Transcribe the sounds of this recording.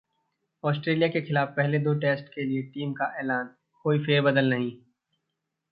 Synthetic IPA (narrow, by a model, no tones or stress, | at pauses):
ɔːsʈɾeːlijakexɪlaːfpɛɦled̪oːʈeːsʈkelieʈiːmkaʔeːlaːn | koːifeːɾbɐd̪əlnɐɦĩː